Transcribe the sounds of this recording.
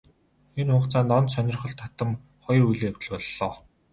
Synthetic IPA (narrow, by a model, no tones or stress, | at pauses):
enχʊɴqt͡saːnt̪ɔnt̪sœnʲɪ̆rχɞ̆ɮt̪ʰːat̪ə̆m | χɔjrujɮeːjawʲt̪ə̆ɮpɔɮːɔː